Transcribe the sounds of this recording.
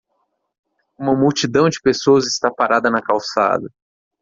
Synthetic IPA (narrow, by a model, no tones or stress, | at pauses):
ũmɐmuwt͡ʃid̪ɐ̃w̃d͡ʒɪpesowɐzɪst̪apaɾʔad̪ɐnɐkawsa̰d̪ɐ